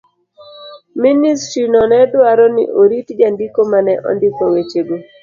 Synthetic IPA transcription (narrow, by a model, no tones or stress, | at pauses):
ministɾinɔnɛdwaɾɔnɪ̰ʔoɾitd͡ʒandikomanɛʔɔ̰ndɪkawet͡ʃeɡo